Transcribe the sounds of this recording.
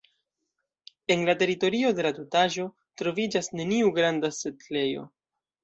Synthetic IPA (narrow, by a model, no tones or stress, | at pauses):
e̞nlate̞ɾito̞ɾio̞de̞latutaʒo̞ | tɾo̞vid͡ʒasne̞niuɡɾandasetle̞jo̞̰